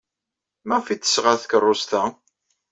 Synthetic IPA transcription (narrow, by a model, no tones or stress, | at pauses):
mæfit̪ːə̥sʁaθkərˤːʊst̪æ